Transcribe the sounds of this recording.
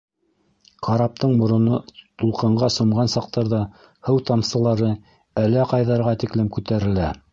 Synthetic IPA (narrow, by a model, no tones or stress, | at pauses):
qɑɾɑp̚t̪ɤɴmŏɾŏnɤt̪ulˠqɤ̆ɴɢɑsŏmʁɑnsɑq̚t̪ɑɾðɑ | hɤwt̪ɑmsɤ̆lˠɑɾɤ | ælæqɑjðɑɾʁɑt̪iklɘmkʉt̪æɾɘ̆læ